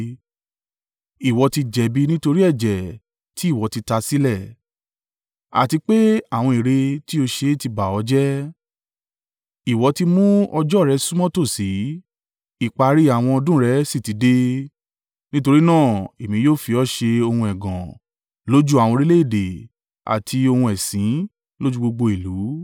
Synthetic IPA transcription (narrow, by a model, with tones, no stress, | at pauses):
i˨wɔ˧ti˧d͡ʒɛ˨bi˧nĩ˦to˧ɾi˦ɛ˦˨d͡ʒɛ˨ | ti˦i˦˨wɔ˨˧ti˧ta˧si˦lɛ˦˨ | a̰˨ti˧k͡pe˦a˦˨w̃ɔ̃˧i˨ɾe˧ti˦o˧ʃe˧˦˨ti˧ba˨ɔ˨˦d͡ʒɛ˦ | i˨wɔ˧ti˧mũ˦ɔ˧d͡ʒɔ˦˨ɾɛ˧˦sũ˦mɔ̃˦to˦˨si˨˦ | i˦˨k͡pa˧ɾi˦a˦˨w̃ɔ̃˧ɔ˧dũ˦ɾɛ˧˦si˦˨ti˨˦de˦ | nĩ˦to˧ɾi˦nãː˦˨e˨mĩ˧˦joː˦˨fi˧ɔ˦ʃe˧o˧hũ˧ɛ˨ɡɔ̰̃˨ | lo˦d͡ʒu˦a˨w̃ɔ̃˧ɾi˦le˦i˦˨de˨ | a̰˨tʰi˧o˧hũ˧ɛ˨sĩ˨˦ | lo˦d͡ʒu˦ɡ͡bo˧ɡ͡bo˧i˨lu˨˦